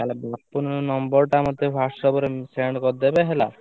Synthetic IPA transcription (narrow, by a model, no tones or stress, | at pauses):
kalebapːunnɔmbɔɾʈamɔd̪ʱːefasɾɔbɔɾeseɳɖkɔɾd̪ebeɦela